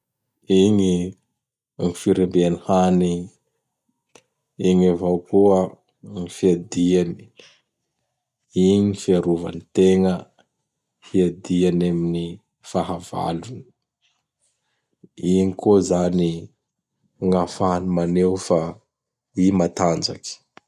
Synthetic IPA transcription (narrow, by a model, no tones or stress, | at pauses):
iɲi | ŋifiɾembeanihani | iɲavawkuə | ŋifiad̪iani̥ | iɲifiaɾuva̰nit̪eŋə | fiad̪ianamini | faɦava̰luni̥ | iɲikozani | ŋafanimanewfa | imat̪and͡ʒaki̥